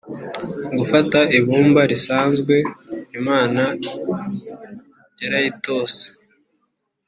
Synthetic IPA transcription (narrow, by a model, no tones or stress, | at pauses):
ɡufataʔiβuːmbaɾisaːnzɡwe̞imaːna | jaɾajito̞ːse̥